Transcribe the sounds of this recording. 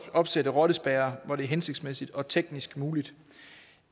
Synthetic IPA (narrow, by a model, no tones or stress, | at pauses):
ɒ̽b̥sedəʁɒɾ̥əsb̥ɛːɐʋɒɾ̥e̝æɐɦense̝ɡ̥̚d̥smesid̥ɒ̽t͡sʰeɡ̥nisɡ̥muːlid̥